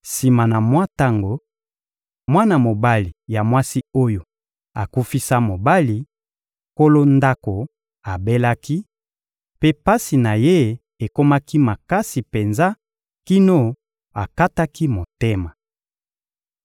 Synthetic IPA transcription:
si˨ma˨na˨mwa˦ta˦ŋɡo˨ | mwa˦na˨mo˨ba˦li˨ja˨mwa˦si˦o˦jo˨ | a˨ku˦fi˦sa˦mo˨ba˦li˨ | ko˦lo˦nda˦ko˨ | a˨be˦la˦ki˦ | pe˦pa˦si˨na˨je˦ | e˨ko˦ma˦ki˦ma˨ka˦si˨pe˨nza˦ | ki˦no˦ | a˨ka˦ta˦ki˦mo˨te˦ma˨

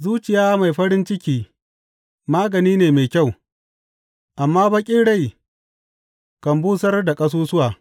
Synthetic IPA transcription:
zuː˦t͡ʃɪ˨jaː˦ma˨jɸɐ˦ɾɪ˦nt͡ʃɪ˦kʲiː˦ | maː˦ɡɐ˨niː˦neː˨me˨kʲa˦˨w | ʔa˨mːaː˦bɐ˦kʲʼɪ˦ɽa˦˨j | kɐ˨mbuː˦sɐ˦rda˨kʼɐ˦s̬uː˦sʊ˦waː˨

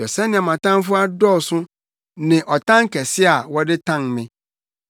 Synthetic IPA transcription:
ɔ˨sɛ˦nɪ̃˨a˨mã˨tã˦m˦fʊ˦a˦dɔ˦˨sʊ̃˦ | nɪ̃˨ʔɔ˨tã˦ŋ˦kɛ˨sɪ˦a˨wɔ˦dɪ˦tʰã˦ŋmɪ̃˨

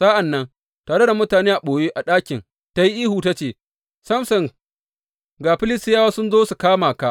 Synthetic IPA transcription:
saː˦ʔa˨nːɐ˦n | taː˨ɽe˦da˨mʊ˦taː˨neː˦ʔa˨ɓoː˨je˦ʔa˨ɗaː˦kʲɪ˨n | ta˦ji˦ʔiː˦huː˨ta˦t͡ʃeː˨ | sɐ˦msɐ˨ŋ | ɡaː˨ɸɪ˦lɪ˦stɪ˦jaː˦waː˦sʊ˦nzoː˦su˨kaː˦maː˨ka˦

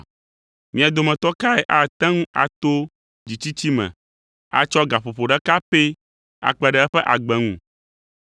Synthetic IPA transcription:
mĩ˨a˨d̪o˨mɛ̃˨t̪ɔ˦ka˦e˨ʔa˨t̪ɛ̃˦ŋũ˦a̰˨t̪o˦ | d͡ʑi˨t͡ɕi˦t͡ɕi˦mɛ̰̃˨ | a̰˨t͡ʃɔ˦ɡa˨ɸo˨ɸo˨ɖɛ˦ka˦pe˦ | a̰˨k͡pɛ˨ɖɛ˨˦ɛ˦ɸɛ˦ʔa˨ɡ͡bɛ˨ŋṵ̃˨

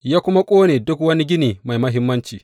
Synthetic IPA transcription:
jaː˦kʷʊ˦ma˦kʷʼoː˦neː˨dʊ˦kwɐ˦ni˦ɡʲɪ˦niː˨ma˨jmɐ˦ɦɪ˦mːɐ˦nt͡ʃiː˨

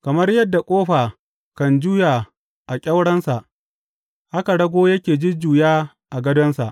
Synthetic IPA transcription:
kɐ˨mɐ˦rjɐ˦dːa˨kʷʼoː˦ɸaː˨ | kɐ˨nd͡ʒuː˦jaː˨ | ʔa˨kʲʼɐ˦wɽɐ˦nsa˨ʔ | ʔa˦ka˨ɽɐ˦ɡʷoː˦jɐ˦kʲeː˨d͡ʒɪ˦d͡ʒuː˨jaː˦ | ʔa˨ɡɐ˦dɔ˦nsa̰˨ʔ

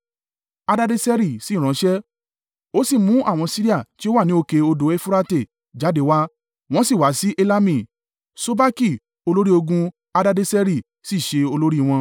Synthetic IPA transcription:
a˧da˦de˦sɛ˦ɾi˦˨si˦˨ɾ̃ã˨˦ʃɛ˦ | o˦si˦˨mũ˨˦ʔa˦˨w̃ɔ̃˧si˦ɾi˦a˦˨ti˦o˦wa˦˨nĩ˨˦o˧ke˧o˧do˨˦e˦fu˦ɾa˦te˦˨ | d͡ʒa˨˦de˨˦wa˦ | w̃ɔ̃˦si˦˨wa˨˦si˦ʔe˧la˦mĩ˦˨ | so˦ba˦ki˦˨ | o˧lo˦ɾi˦o˧ɡũ˧ | a˧da˦de˦sɛ˦ɾi˦˨ | si˦˨ʃe˧o˧lo˦ɾi˦˧w̃ɔ̃˧

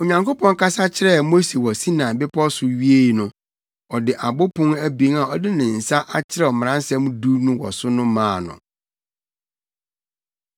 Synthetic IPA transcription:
o˨ɲã˨ŋko˦pɔ̃˦ŋ˦kʰa˦sa˦t͡ɕʰɪ˦ɾɛ˦˨mo˦se˨wɔ˨si˦nã˨bɪ˦pʰɔ˦sʊ˨ɥi˦e˦i˨nʊ̃˨ | ɔ˨dɪ˨ʔa˨bʊ˦pʰʊ̃˦næ˦bĩ˦ŋa˨ɔ˨dɪ˦nɪ̃˨n̩˨sa˦ʔa˦t͡ɕʰɪ˦ɾɛ˦ɔ˨m̃˨ã˦n˦sɛ̃˦mũ˦du˦nʊ̃˦wɔ̰˨sʊ˦nʊ̃˦mãː˦˨nʊ̰̃˨

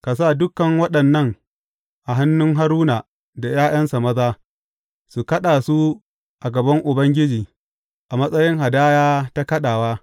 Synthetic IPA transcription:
ka˨s̬aː˦˨dʊ˦kɐ˨ŋwɐ˦ɗɐ˨nːɐ˦ŋ | ʔa˨ɦa˦nːʊ˦ŋɦa˦ɾuː˦na˨ | da˨jaː˦j̰ɐ˦nsa˨mɐ˦zaː˦ | su˨kɐ˦ɗaː˨su˦ | ʔa˨ɡɐ˨bɐ˦ŋʔʊ˨bɐ˦ŋɡʲɪ˦d͡ʒiː˨ | ʔa˨mɐ˦sʼɐ˦jɪ˦ŋɦa˨daː˦jaː˦ta˦kɐ˦ɗaː˨waː˦

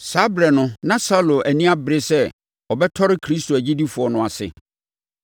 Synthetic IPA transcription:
sa˦bɾɛ˨nʊ̃˦nã˦sa˦lo˨ʔæ˨nĩ˦a˦bɾɪ˦sɛ˦ | ɔ˨bɛ˦tʰɔ˦ɾɪ˦kʰɾi˦stʰo˨æ˨d͡ʑi˦di˦fʊ˨ɔ˨nʊ̃˨a˨sɪ̰˨

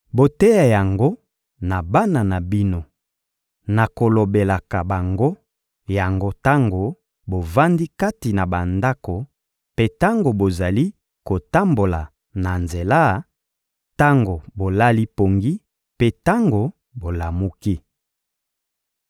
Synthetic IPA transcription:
bo˨te˦ja˨ja˨ŋɡo˦ | na˨ba˦na˨na˨bi˦no˦˨ | na˨ko˨lo˨be˨la˨ka˨ba˨ŋɡo˦ | ja˨ŋɡo˦ta˦ŋɡo˨ | bo˨va˦ndi˦ka˦ti˨na˨ba˨nda˦ko˨ | pe˦ta˦ŋɡo˨bo˨za˨li˦ | ko˨ta˦mbo˨la˨ | na˨nze˨la˦ | ta˦ŋɡo˨bo˨la˦li˦po˨ŋɡi˦ | pe˦ta˦ŋɡo˨ | bo˨la˨mu˦ki˦

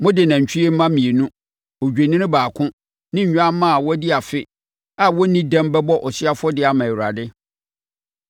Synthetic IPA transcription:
mʊ̃˦dɪ˨nã˨ɲ̩˨t͡ɕʰᶣi˦e˦m̩˦mã˦mĩ˨e˨nũ˦ | o˨d͡ʑᶣe˨nɪ̃˦ɪ̃˦baː˨kʰʊ̃˦ | nɪ̃˦ɲ˨ɲᶣ˦ã˦mã˦a˨wɔ˦dɪ˦a˨fɪ˦ | a˦wɔ˦nĩ˦dã˦mbɛ˦bɔ˦ʔɔ˨sɪ˦a˦fʊ˦ɔ˦dɪ˦a˨mã˨ɛ˨wɾa̰˨dɪ˦

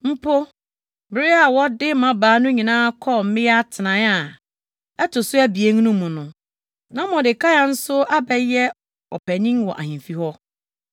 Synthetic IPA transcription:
m̩˦pʰo˦ | bɪ˨ɾɪ˦a˨wɔ˦dɪ˦mã˨baː˨˦nʊ̃˦ɲĩ˨nãː˦kʰɔ˦˨m̩˦mɪ̃˦ja˦tʰɪ˨nã˨˦a˨ | ɛ˦tʊ˨sʊ˦æ˦bi˨e˦ŋ˦nʊ̃˦mũ˨nʊ̃˨ | nã˦mɔ̃˨dɪ˨kʰa˦ja˨n̩˦sʊ˦a˦bɛ˦jɛ˦ | ɔ̰˨pʰæ˨nĩ˦ŋwɔ̰˨ʔa̰˨hĩ˨fi˦hɔ˦

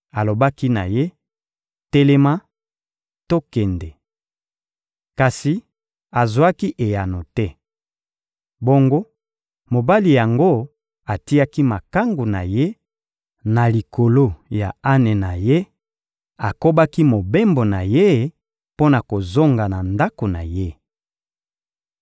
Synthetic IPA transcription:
a˨lo˨ba˦ki˦na˨je˦ | tɛ˦le˦ma˦ | to˦kɛ˨nde˨ | ka˨si˨ | a˨zwa˦ki˦ʔe˨ja˨no˨tɛ˦ | bo˦ŋɡo˦ | mo˨ba˦li˨ja˨ŋɡo˦ | a˨ti˦ja˦ki˦ma˨ka˦ŋɡu˨na˨je˦ | na˨li˨ko˨lo˦ja˨a˦nɛ˨na˨je˦ | a˨ko˦ba˦ki˦mo˨be˦mbo˨na˨je˦ | po˦na˨ko˨zo˦ŋɡa˨na˨nda˦ko˨na̰˨je˦

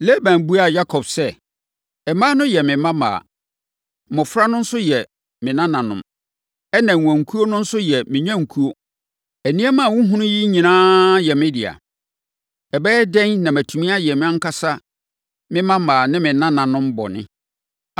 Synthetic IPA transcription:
le˦bæ̃˨n˨bu˦a˨ja˦kʰɔ˨b̥sɛ˦ | ɛ˨mã˦nʊ̃˦jɛ˨mɪ̃˨mã˦ma̰ː˨ | mʊ̃˨fɾa˦nʊ̃˦n̩˦sʊ˦jɛ˨ | mɪ̃˨nã˦nã˨nʊ̰̃˨m | ɛ˦nã˨ŋ˨ã˨ŋ̩˨kʰu˦o˦nʊ̃˦n̩˦sʊ˦jɛ˨mɪ̃˨ɲã˦ŋ̩˨kʰu˦o˦ | æ˨nĩ˦æ˦mã˦˨wʊ̃˦ɦũ˦nʊ̃˦ji˦ɲĩ˨nãː˦jɛ˨mɪ̃˦dɪ˨a̰˨ | ɛ˨bɛ˦ɛ˦dɛ̃˦nnã˨mæ˨tʰu˨mĩ˦a˦jɛ˨mɪ̃˦ã˦ŋ̩˦ka˦sa˦ | mɪ̃˦mã˦mãː˨nɪ̃˦mɪ̃˨˦nã˦nã˨nʊ̃˦mbɔ̰˨nɪ̰̃˦

